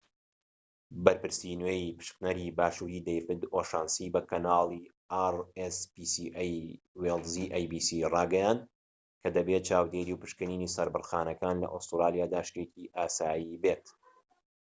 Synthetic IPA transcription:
bɐɾpɨɾsinwejipɨ̥ʃknɐɾiːbaːʃuːɾiːd̪ejfɨd̪oːʃaːnsiːbɐkɐnaːlˠi | arespisiʔj | welˠziʔajbiːsirɑːɡɐjand̪̚ | kʰɐd̪ɐbet̪̚t͡ʃaːwd̪eːɾiwpɨ̥ʃkɨniːniːsɐɾbɨrxaːnɐkaːnlɐ̰ʔost̪ɨɾaːlˠijaːd̪aːʃt̪ekiʔaːsaːjibeːt̪

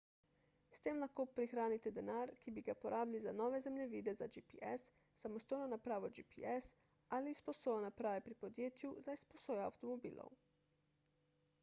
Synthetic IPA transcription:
st̪eːmlaxkoːpɾixɾaːnit̪ɛd̪ɛnaːɾkibiɡapoɾʔaːbilizanɔːʋɛzɛmlɛʋiːd̪ɛzad͡ʒipiʔɛ̰sː | amɔst̪oːjnɔnapɾaːʋɔd͡ʒipḭɛs | alispɔsoːjanapɾaːʋɛpɾipod̪jeːt̪juzajsposoːjɛa̰wt̪ɔmobḭːlʔo̰w

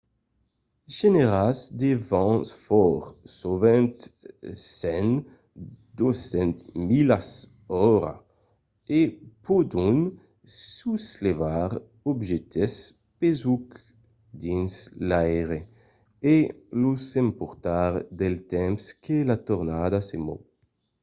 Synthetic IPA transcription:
ʒeneʁazd̪evɑ̃nsfɔɾsovɛnt̪sɛn | d̪osɛ̃nt̪milas | ɔɾa̰ | epod̪un | suslevaʁ | ɔbʒet̪ʰes | pezuk | d̪inslajʁe | elusempuʁt̪aʁd̪elt̪ɛmskʰelat̪oʁnad̪asemo̰

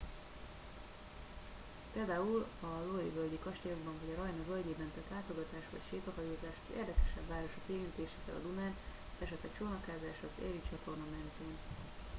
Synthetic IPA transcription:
peːld̪aːulɒloivøld̪ikɒʃt̪ɛjoɡbɒɱvɒɟɒɾɒjnɒvølɟ̪eːbɛnt̪ɛt̪laːt̪o̞ɡɒt̪aːʃʋɒ̰cʃeːt̪ɒɦɒjoːzaːʃo̥kḛːrd̪ɛkɛʃɛbvaːɾoʃokiɛɾint̪eːʃeːfɛ̰lɒ̰d̪unaːn | ɛʃɛt̪lɛkt͡ʃoːnɒkaːzaːʃɒkɛ̰ɾit͡ʃɒt̪o̞rnɒmɛnt̪eːn

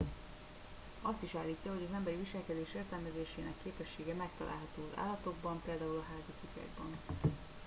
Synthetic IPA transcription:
ɒst̪iʃaːlːiːcːɒɦo̞ɟɒzɛmbɛɾiviʃɛlkɛd̪eːʃeːrt̪ɛlmɛzeːʃeːnɛkːeːpɛʃːeːɡɛmɛk̚t̪ɒlʔa̰ːlɦɒt̪oːzʔa̰ːlːɒt̪o̞ɡ̚bɒmpeːld̪aːulɒɦaːzikukɛ̰ɡbɒn

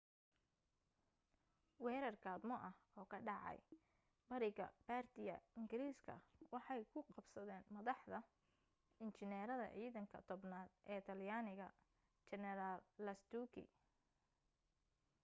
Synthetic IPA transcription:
wɛːɾɐrkʰaːd̪mɔʔɐhɔːkʰɐɖɑʕɑ̰j | bɐɾɪɣɐ̰b̥aːrt̪ɪjɐ̰ɪŋɡɪɾiːskʰɐ̰wɑħɑjkʰʊqɑbsɐðɛːnmɐðɑħd̪ɐ | ɪnt͡ʃɪnɛːɾɐðɐ̰ʕiːðɐŋkʰɐ̰t̪ʰɔbnaːd̪ʔɛːt̪ʰɐljaːnɪɣɐ̰ | t͡ʃɛnɛɾalːɐst̪uːkʰɪ̰

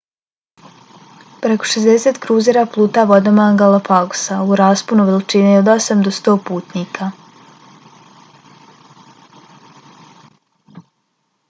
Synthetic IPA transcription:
pɾeko̞̥ʃezd̪eseːt̪kɾuːzeɾaplˠuːt̪aːʋo̞d̪omaŋɡalˠopaɡu̥sauɾaːspunuʋelt͡ʃineod̪o̞samd̪ost̪o̞ːpuːt̪niːkʰa

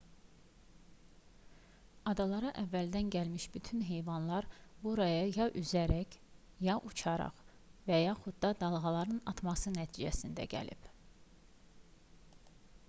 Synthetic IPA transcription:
ɑd̪ɑlˠɑɾɑʔævːæld̪ænɟælmiʃbyt̪ʰynɦe̞jvɑnlˠɑɾbuɾɑjɑjɑʔyzæɾæc | jɑʔut͡ʃʰɑɾɑ̰χ | væjɑχud̪̚d̪ɑd̪ɑlˠʁɑlˠɑɾɯnɑt̪ʰmɑsɯnæt̪ʰiːd͡ʒæsind̪æ̰ɟæ̰lḭb

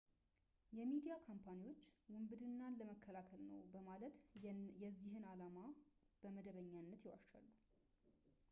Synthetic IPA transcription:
jɛmid̪ijakʰompʰaniwo̞t͡ʃːwʊmbɨd̪ɨnːanləməkʰːəlakʰəlnə̰wbəmalət̪jɛzːihɨnalamab̥əməd̪əβəɲːanːət̪jɪwa̰ʃt͡ʃa̰lːu

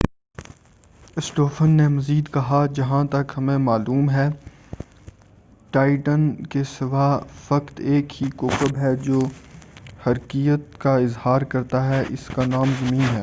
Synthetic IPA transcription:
ɪsʈoːfʰənːemɐziːd̪kɐɦad͡ʒɐɦãt̪ɐkɦɐmẽmaːluːmɦɛː | ʈaːɪʈənkesɪʋafɐkt̪eːkɦikoːkəbɦɛd͡ʒoː | hɐɾkijət̪kaɪzhaːɾkɐɾt̪aɦɛʔɪ̰skanaːmzɐmĩːnɦɛː

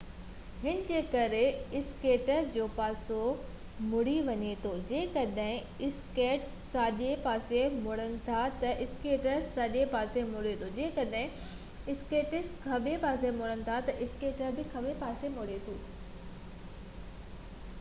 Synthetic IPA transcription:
hɪnɪd͡ʑeːkɐɾeɪskeːʈəɾd͡ʑoːpaːso | mʊɽiʋɐɲet̪ʰoːd͡ʑeːkɐɗɦɪ̃ | ɪskeːʈsːaːʄepaːsemʊɽənɪ̆t̪ʰat̪ɐʔɪskeːʈəɾsaːʄepaːsemʊɽet̪ʰod͡ʑẽːkɐɗɦɪ̃ | ɪskeːʈɪskʰɐɓepaːsemʊɽənɪ̆t̪ʰat̪ɐʔɪskeːʈəɾbɪkʰɐɓepaːsemʊɽet̪ʰoː

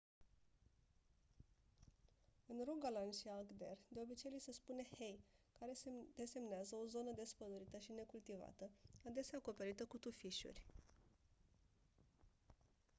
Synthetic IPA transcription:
ɨnroɡalanʃiaɡd̪e̞̰rd̪e̞o̞bit͡ʃejlise̞spune̞he̞jkaɾed̪e̞se̞mneazəo̞zo̞nəd̪e̞spəd̪uɾit̪əʃine̞kult̪iva̰t̪əad̪e̞seaːko̞pe̞ɾit̪əkut̪ufiʃṵrʲ

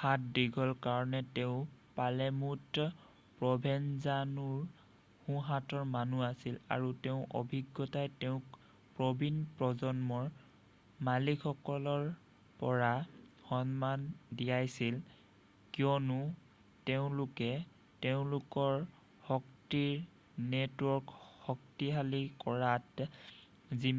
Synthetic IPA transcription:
xat̚diɡʱɔlkaɹɔnɛteʊ̃palɛmut | pɹɔbʱɛnzanuɹ | hũɦatɔɹmanuasila̰ɹuteʊ̃ʔo̰bʱiɡːɔtajteʊ̃k | pɹɔbinpɹɔzɔnmɔɹ | malikʰɔkɔlɔɹ | pɔɹaxɔnmandijajsil | kijɔnʊ | teʊ̃lʊkɛ | teʊ̃lʊkɔɹ | hɔktiɹ | netwɔɹkhɔk̚tiɦalikɔɹat | zi

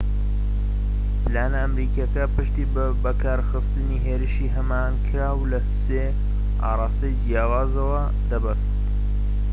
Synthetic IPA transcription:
plaːnɐːmɾiːkɐkɐpɨʃt̪iː | bɐkʰaːɾxɨst̪ɨniɦeːɾɨʃiːɦɐmaːnkʰɨɾaːwlɐseː | ʔa̰ːrˤɑːst̪ɐjd͡ʒijaːwaːzɐwɐ | d̪ɐbɐst̪

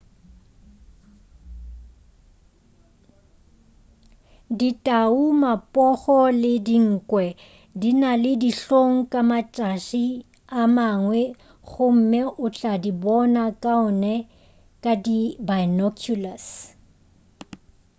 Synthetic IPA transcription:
ditʼaumapʼɔχɔlɪdiŋ̩ːkʼwɛ | dinalɪdiɬoŋ̩kʼamat͡ʃʼaʃi | amaŋwɛ | ɣʊm̩mɛʔʊt͡ɬʼadibɔnakʼaʊnɛ | kʼadibanɔkʰjulas

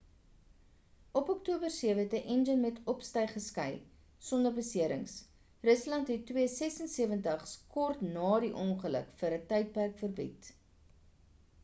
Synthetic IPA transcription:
ʔɔpɔktuəbərsiəvəɦɛtəʔɛnd͡ʒənmɛtʰɔpstəjχəskɐj | sɔndərbəsiəɾə̰ŋs | rəslɐntɦɛtːwiəsɛsənsiəvəntəχskɔrtnɑːɾiʔɔŋχələ̰kfəɾətɐjt̚pærkfərbḭt

